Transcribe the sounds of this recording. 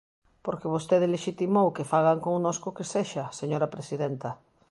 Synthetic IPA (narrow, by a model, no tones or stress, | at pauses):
poɾkɪβ̞ost̪eðɪleʃit̪imowkefaɣ̞aŋkoŋnoskʊkeseʃaseɲoɾapɾesiðent̪ɐ